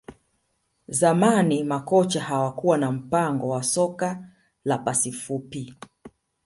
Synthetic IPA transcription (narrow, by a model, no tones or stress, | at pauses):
zamanimakɔt͡ʃahawakuwanam̩paŋɡɔwasɔka | lapasifupi